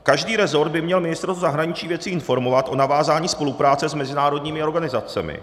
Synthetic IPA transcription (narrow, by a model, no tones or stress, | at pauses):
kaʒdiːɾɛzo̞ɾd̪̚bɪmɲɛlmɪnɪst̪ɾot̪uzaɦɾaɲɪt͡ʃiːvjɛt͡sɪɪnfo̞ɾmo̞vat̪ʔo̞navaːzaːɲiːspo̞lupɾaːt͡sɛzmɛzɪnaːɾo̞dɲiːmɪo̞ɾɡanɪzat͡sɛ̰mɪ̰